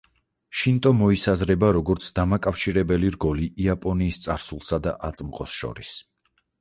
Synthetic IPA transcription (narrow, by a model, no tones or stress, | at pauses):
ʃint̪ʼɔmɔisazɾɛbaɾɔɡɔɾt̪sʰd̪amakʼafʃiɾɛbɛliɾɡɔliːapʼɔniːst̪sʼaɾsulˠsad̪a̰ʔat̪sʼmqʼɔsʃɔ̰ɾis